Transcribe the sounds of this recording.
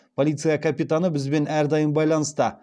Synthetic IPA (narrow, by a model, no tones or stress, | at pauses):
pʰolijt̪sɨjakʰapit̪anəbɪzbe̞næɾd̪ɑjəmbɑjlˠɑnəst̪ə